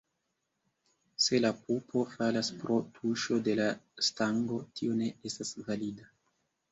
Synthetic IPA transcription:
se̞lapupʰo̞falaspɾo̞tʰuʃo̞de̞lastaŋɡo̞tʰio̞ne̞estasvalida

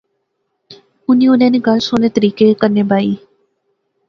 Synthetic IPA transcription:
ʊnĩːʊnɛ̃ːneːɡəlsoːneːt̪əɾiːkeːkəɾneːbaːiː

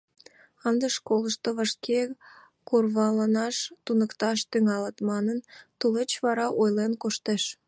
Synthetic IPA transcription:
ənd̪eʃkoləʃt̪oβəʃkʰe | kurβɑlənɑʃt̪unəkt̪ɑʃt̪yŋɑlət̪mɑnənt̪ulet͡ɕβɑɾɑʔojlenkoʃt̪eʃ

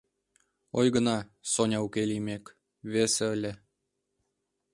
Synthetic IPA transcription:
ojɣənɑsonʲɑukelʲimek | βeseəlʲĕ

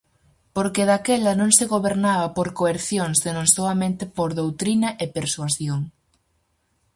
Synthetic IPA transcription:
poɾkeðakɛlɐnõŋseɣoβeɾnaβɐpoɾkoeɾθjoŋsenõŋsoamẽnt̪ɪpoɾðowt̪ɾinɐʔepeɾswaθjoŋ

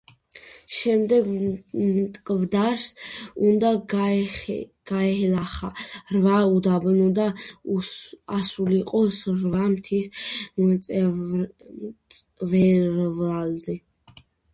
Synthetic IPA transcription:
ʃɛmd̪ɛɡmt̪ʼkʼvd̪aɾsund̪a | ɡ̥aɛhɛlaχarvaud̪abnud̪a | asuliqʼɔsɾvamt̪ʰisʼ | vɛɾvlalzi

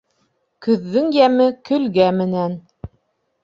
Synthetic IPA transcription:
kɵ̆ðːɘŋjæmɘkɵ̆lɡæmɘ̆næn

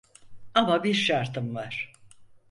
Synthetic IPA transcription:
amabiɾʃaɾt̪ʰɯmvaɾ̥

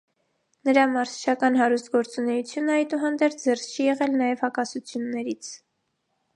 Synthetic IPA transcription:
nəɾɑmɑɾsʰt͡ʃʰɑkɑnɦɑɾust̪ɡɔɾt͡sunɛjut͡sʰjunəɑjt̪uɦɑnd̪ɛɾt͡sʰd͡zɛrst͡ʃʰijɛʁɛlnɑjɛvhɑkɑsut͡sʰjunːɛɾit͡sʰ

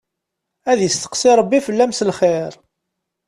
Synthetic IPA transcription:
æðjəst̪ə̥qsiɾˤəbːifəlːæmsəlχeɾ

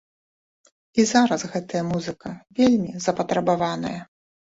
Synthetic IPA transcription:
izaɾɐsɣɛt̪ɐjɐmuzɨkɐvʲelʲmʲizɐpɐt̪ɾɐbavanɐ̰jɐ

